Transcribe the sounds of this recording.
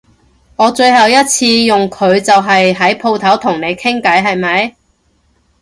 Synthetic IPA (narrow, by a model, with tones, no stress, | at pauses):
ŋɔː˨˧t͡ʃɵ˧ɥɦɐ˨wjɐ˥t̚t͡sʰiː˧jʊ˨ŋkʰɵ˨˧ɥt͡sɐ˨wɦɐ˨jɦɐ˨˥jpʰo˧wt̪ʰɐ˨˥wt̪ʰʊ˨˩ŋne˨˧jkʰɪ˥ŋkɐ˨˥jɦɐ˨jmɐ˨˥j